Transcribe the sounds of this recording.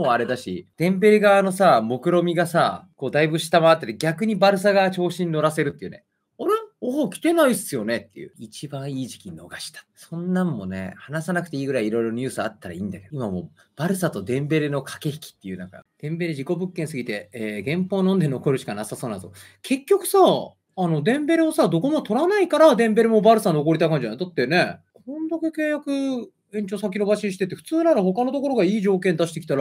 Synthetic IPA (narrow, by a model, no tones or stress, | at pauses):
oaɾe̞d̪aɕid̪̥ẽ̞mbe̞ɾeɡaːno̞samo̞kɯ̟ɾo̞mʲiɡasako̞ːd̪aibɯ̟ɕi̥t̪amaːt̪ːet̪eɡʲakɯ̟ɲ̟ibaɾɯ̟s̬aɡat͡ɕo̞ːɕĩɲ̟ʲːno̞ɾase̞ɾɯ̟t̪ːei̟ne̞̰ | oɾeoːkʲi̥t̪e̞naisɨjo̞ne̞t̪ːe̞̰jɯ̰it͡ɕibãɰ̃iːʑi̥kʲino̞̰ɡaɕi̥t̪ḁsõ̞nːãmːo̞ne̞̰hanasanakɯ̟̥t̪e̞iːɡɯ̟ɾaiːɾo̞iɾo̞ɲ̟ɨ̟ːsɨat̪ːaɾa̰ĩːnd̪ake̞d̪oimamo̰ː | b̥aɾɯ̟sat̪o̞d̪ẽ̞mbe̞ɾɯ̟no̞kʰḁke̞çi̥kʲi̥t̪ːe̞jɯ̟ːna̰ka̰d̪̥ẽ̞mbe̞ɾɯ̟ʑiko̞bɯ̟kːẽɰ̃sɨɡʲit̪e̞eːɡẽ̞mpoːnond̪e̞no̞ko̞ɾɯ̟ɕi̥kanasaso̞ːnazo̞̰ | kʰe̞kʲːo̞kɯ̟sa | ano̞d̪ẽ̞mbe̞ɾɯosad̪oko̞mot̪o̞ɾanaikaɾad̪ẽ̞mbe̞ɾɯ̟mo̞baɾɯ̟sano̞ko̞ɾit̪aikãɲ̟d͡ʑind̪at̪ːe̞ne̞kõnd̪akeke̞ːjakɯ̟ | ẽ̞ɲ̟t͡ɕo̞ːsakʲino̞baɕĩɲ̃ɕi̥t̪e̞t̪ːeɸɯ̥t͡sɨːnaɾaho̞kano̞t̪o̞ko̞ɾo̞ɡaiːʑo̞ːkẽnd̪aɕi̥t̪e̞kʲi̥t̪aɾ